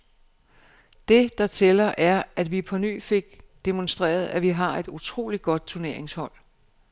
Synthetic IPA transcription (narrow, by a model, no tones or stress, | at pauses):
d̥e̝d̥ɑ̈t͡sʰelɐʔæɐʔæd̥ʋipʰɒ̽ny̰ːfe̝ɡ̥̚d̥e̝monsd̥ʁɛ̰ːɐð̞̩ˠæʋiɦɑ̈e̝d̥ut͡sʰʁo̝̰ːlid̥ɡ̥ɒ̽d̥̚t͡sʰuɐne̝ɐ̰e̝ŋshɒ̽l̰